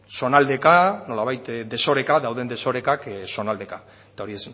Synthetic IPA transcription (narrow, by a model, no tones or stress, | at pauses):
so̞nald̪e̞kano̞laβ̞ajt̪d̪e̞so̞ɾe̞kaðawðe̞nd̪e̞so̞ɾe̞kakso̞nald̪e̞ka | et̪ao̞ɾies